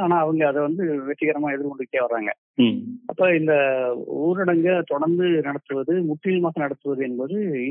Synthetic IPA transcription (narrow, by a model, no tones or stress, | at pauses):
aːnaːɐʋɐŋɡɐɐðɛʋɐnd̪ɯʋɛʈːɪɣɐɾɐmaːɛðɪɾkɔɳɖɯkːeːʋɐɾaːŋɡɐ̰ | ɐpːoːɪnd̪ɐuːɾɐɽɐŋɡɐt̪ɔɽɐɾnd̪ɯnɐɽɐt̪ːɯʋɐðɯmʊʈːilmaːsɐnɐɽɐt̪ːɯʋɐðɯɛnːpoːðɯ